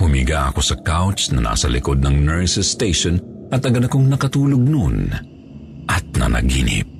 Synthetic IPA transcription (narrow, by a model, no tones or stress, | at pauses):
hʊmɪɡaʔɐ̰ko̞sɐkawt͡ʃnɐnʔa̰ːsɐlɪkod̪̚nɐŋnɛɹsɛst̪ejʃon | ʔɐt̪ːɐɡɐd̪ɐkoŋnɐkɐt̪uːloɡ̚non | ʔɐt̪̚nɐ̰nʔɐ̰ɡinɪ̰p̚